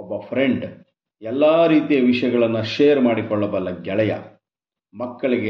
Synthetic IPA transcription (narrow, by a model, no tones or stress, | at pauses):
ɔbːɐpʰɾeɳɖ | ɛlːaːɾiːt̪ijɐʋiʂɐjɐɡɐɭɐnːuʂejɐɾmaːɽikɔɭːɐbɐlːɐɡɛɭɐjɐ̰ | mɐkːɐɭiɡe